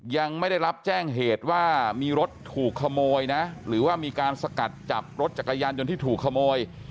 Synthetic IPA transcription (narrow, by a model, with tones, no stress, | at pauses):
ja˧ŋma˥˩jda˥˩jɾa˦˥p̚t͡ɕɛː˥˩ŋɦeː˨˩t̪̚waː˥˩miː˧ɾo˦˥t̪ʰːuː˨˩kʰːa˧moː˧jna˦˥ɾɯː˩˦waː˥˩miː˧kaː˧nsa˧ka˨˩t̪̚t͡ɕa˨˩p̚ɾo˦˥t̪̚t͡ɕa˨˩kːa˧jaː˧njo˧nt̪ʰiː˥˩t̪ʰuː˨˩kʰːa˧moː˧j